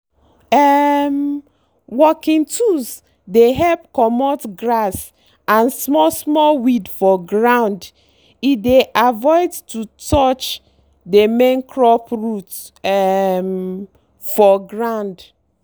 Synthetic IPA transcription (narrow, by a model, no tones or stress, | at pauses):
ɛm | wɔkĩntʰus | deɦɛlp̚kɔmɔtɡɹas | ãnsmɔsmɔlwidfɔɡɹãʊnd | ideʔavɔɪdtutɔt͡ʃ | demẽnkʰɹɔpɹut | ɛm | fɔɡɹãʊnd